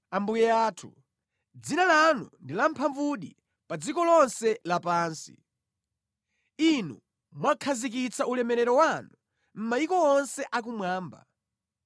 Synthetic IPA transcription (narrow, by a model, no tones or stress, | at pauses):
ambujɛaːtʰṵ | d͡zinalanṵndilam̩pʰaɱvuɗḭ | pad͡zikɔlɔnsɛlapaːnsḭ | inu | mwakʰazik̬it͡saulɛmɛɾɛɾɔwanu | m̩majikɔɔnsɛʔak̬umwaːmba̰